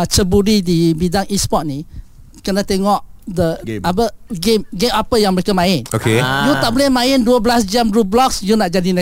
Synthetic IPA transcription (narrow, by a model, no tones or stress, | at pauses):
t͡ʃəbuɾidibidaŋispɔt̚ni | kənãt̪eŋɔʔdəabəɡemɡemapəjaŋməɾekəmãɪnokejut̪aʔbolɛhmãɪnduəbəlas̬d͡ʒamrublɔksjunaʔd͡ʒadina